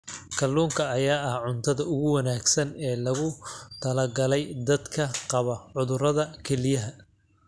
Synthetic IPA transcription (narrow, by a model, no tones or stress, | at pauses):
kʰɐlːuːŋkʰɐːjaːɐhʕʊnt̪ʰɐðɐʊɣʊwɑnaːɡsɐnɛːlɐɣʊt̪ʰɐlɐɡɐlɛjd̪ɐd̪kʰɐqɑβɐʕʊðʊɾɐðɐkʰɛlɪjɐɦɐ